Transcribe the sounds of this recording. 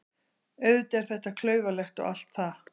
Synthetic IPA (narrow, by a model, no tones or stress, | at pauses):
œɥðt̪ɛɾ̥θɛht̪akʰlœːɥvalɛxt̪ɔ̰ɣa̰l̥t̪θa